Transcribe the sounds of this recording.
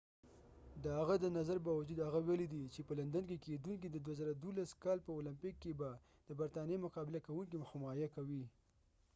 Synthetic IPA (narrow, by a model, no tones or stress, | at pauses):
d̪əhaɣad̪ənazaɾbɑwad͡ʒud̪haɣawelid̪it͡ʃepəland̪ank̬eked̪uŋkid̪əd̪wazəɾad̪olaskɑlpəolɪmpɪkːeba | d̪̥əbaɾt̪ɑnjemʊqɑbɪlakawuŋk̬imxʊmɑjakawi